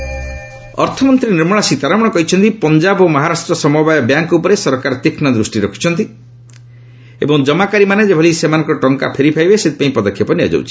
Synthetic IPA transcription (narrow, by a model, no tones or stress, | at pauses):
ɔ̰ɾt̪ʰɔmɔnt̪ɾiniɾmɔɽ̃ɔsit̪aɾamɔɽ̃ɔkɔɦit͡ʃʰɔnt̪ipɔɲd͡ʒabomɔɦaɾasʈɾɔsɔmɔbajɔbjaŋkupɔɾesɔɾkaɾt̪ikʰnɔd̪ɾusʈiɾɔkʰi̥t͡ʃʰɔnt̪i | ḛbɔŋd͡ʒɔmakaɾimaned͡ʒebʱɔlisemanɔŋkɔʈɔŋka̰pʰeɾipʰajbeset̪i̥paĩpɔd̪ɔkʰːjɔpɔnia̰d͡ʒa̰wt͡ʃʰi̥